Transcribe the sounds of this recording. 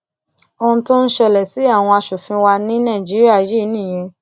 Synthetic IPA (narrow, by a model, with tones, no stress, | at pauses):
o˧ũ˧tũ˦n̩˦ʃɛ˦˨lɛ˨si˨˦a˦˨w̃ɔ̃˧a˧ʃo˨fĩ˧wa˧nĩ˦nã˦˨d͡ʒi˨˦ɾi˦a˦˨˦je˦nĩ˦˨j̃ɛ̃˧